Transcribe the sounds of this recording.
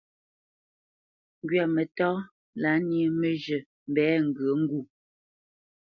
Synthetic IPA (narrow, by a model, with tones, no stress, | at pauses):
ŋ˦ɡɥa˨mɛ˨tɔː˦ | la˨˦ni˦mə˨ʒə˨ | m̩˨bɛː˨˦ŋ̩˨ɡə˨˦ŋ̩˦ɡu˦˨